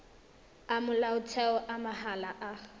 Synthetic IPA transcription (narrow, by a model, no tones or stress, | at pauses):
amʊlaʊtʰɛɔʔamahalaʔa